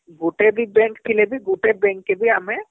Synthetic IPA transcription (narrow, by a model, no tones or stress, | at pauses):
ɡuːʈebʱibɛ̃ːŋkʈʰilebʱiɡuːʈebɛ̃ːŋkːebʱiamɛ̃